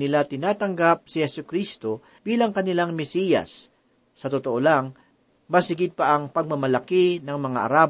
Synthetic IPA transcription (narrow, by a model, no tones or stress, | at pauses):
nɪlat̪ɪnaːt̪ɐŋɡap̚sɪhɛsʊkɾist̪o̞ | b̥iːlɐŋkɐnɪlaŋmɛsiːjɐ̰sː | ɐt̪ot̪oʔolaŋ | mɐsɪɡɪd̪̚pɐʔɐŋpɐɡ̚mɐmɐlɐkɪnɐŋmɐŋaʔɐ̰ɾaːb